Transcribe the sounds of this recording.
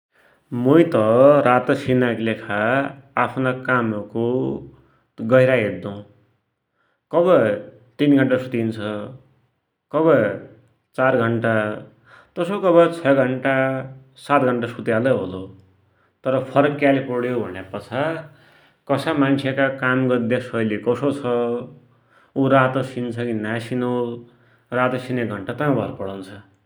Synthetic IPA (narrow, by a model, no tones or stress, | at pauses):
mujt̪ʌɾat̪ʌsinaklekʰaː | pʰnakamʌko | ɡʌjɾaɦet̪̚d̪ũ | kʌbʌ | t̪inɡʱʌɳʈasu̥t̪int͡sʰʌ | kʌβʌ | t͡sarɡʱʌɳʈa | t̪ʌsokʌbʌt͡sʰʌɡʱʌɳʈa | sat̪̚ɡʱʌɳʈasut̪jalʌɦolo | t̪ʌɾʌpʰʌɾʌkːalepɔɽjobʱʌnjepʌt͡sʰa | kʌsamant͡sʰjekakamɡʌd̪esʌjlekʌsot͡sʰʌ | uɾat̪ʌsint͡sʰʌkinasino | rat̪ʌsinek̚ɡʱʌɳʈat̪ʌ̃bʱʌ̰ɾpʌɽʌnt͡sʰʌ